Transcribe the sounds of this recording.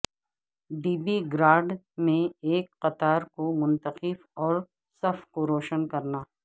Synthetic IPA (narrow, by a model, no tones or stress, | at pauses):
ɖiːbiɡɾaːɖ | mẽeːkqɐt̪aːɾkomʊ̃nt̪əqɪfɔːɾ | sɐfkoɾoːʃənkɐɾnaː